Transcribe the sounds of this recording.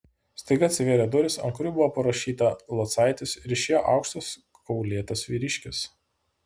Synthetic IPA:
sʲt̪ɐɪɡɐt̪sʲʋʲeɾʲɛd̪ʊɾʲɪsɐ̰ŋkɾʲʊbʊʋoːpɐɾɐʃʲiːt̪ɐlˠɐt̪sɑˑɪt̪ʲɪsɪɾʲɪʃʲeːjoʔɑ̰ˑʊkʃt̪ɐs | kɔʊlʲeːt̪ɐsʋʲiːɾʲɪʃʲkʲɪs

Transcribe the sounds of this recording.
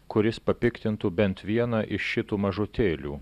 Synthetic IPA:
kʊɾʲɪspɐpʲɪkt̪ʲɪnt̪ubʲɛnt̪ʋʲiɛnɐʔɪʃʃʲɪt̪uːmɐʒʊt̪ʲeːlʲṵː

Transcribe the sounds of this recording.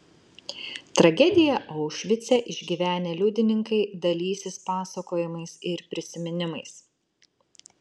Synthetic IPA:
t̪ɾɐɡʲɛd̪ʲɪjɛʔɐʊʃʲʋʲɪt̪sʲɛʔɪʒʲɡʲiːʋʲæːnʲeːlʲuːd̪ʲɪnʲɪŋkɐɪd̪ɐlʲiːsʲɪspɑːsɐkoːjɪmɐɪsɪɾpʲɾʲɪsʲɪmʲɪnʲɪmɐɪs

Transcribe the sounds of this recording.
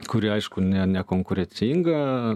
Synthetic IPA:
kʰuɾʲaʃkunʲanʲakoŋkuɾʲet͡sʲiŋɡa

